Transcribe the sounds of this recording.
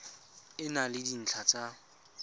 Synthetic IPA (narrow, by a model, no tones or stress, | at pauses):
ɪnalɪdin̩t͡ɬʰat͡sʼa